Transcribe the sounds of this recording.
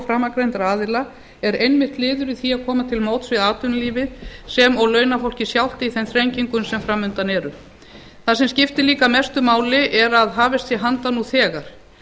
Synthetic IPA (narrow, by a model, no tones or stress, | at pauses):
fɾaːmakɾejnt̪ɾaːðɪla | ɛɾejnmɪht̪lɪːðʏɾiθiaðkʰɔːmat̪ʰɪlmoːwt̪svɪðaːt̪ʏnliːvɪsɛmɔɣlœːɥnafowl̥cɪsjawl̥t̪ɪiθɛnθɾeɲciŋkʏnsɛmfɾaːmʏnt̪anɛːɾʏ | θasɛmscɪft̪ɪliːkamɛst̪ʏmaːwlɪʔɛɾaðɦaːvɪst̪sjɛɦant̪anuθɛːɣaɾ̥